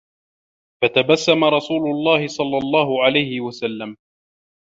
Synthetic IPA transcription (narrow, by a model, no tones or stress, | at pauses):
fat̪abasːamaɾˤɑsuːlʊlˤːɑːhɪsˤɑlːɑlˤːɑːɦʊʕalajhɪwasalːam